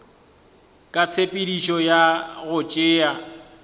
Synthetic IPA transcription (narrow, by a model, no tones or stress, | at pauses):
kʼat͡sʰepʼidiʃɔjaɣʊt͡ʃʼɪːa